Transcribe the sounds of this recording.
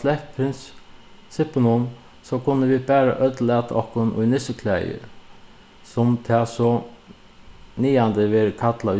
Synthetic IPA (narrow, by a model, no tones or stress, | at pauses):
lɛhppʰɾɪns | sɪpənʊn | sɔkʰʊnːəʋɪbæːɾa̰ʔœt̪lɛːt̪ʰɔ̰hkʊnʔʊ̰jnɪsəkʰlæjə̰ | sʊmt̪ʰɛːsɔ | niːand̪əʋɛːɾkʰat̪ʰlaʊ